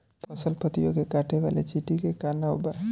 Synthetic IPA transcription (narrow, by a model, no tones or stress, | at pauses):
p̪ʰəsəlpət̪ijokekaʈʰeba̰lḛt͡ʃiʈikekanaɦobaɦ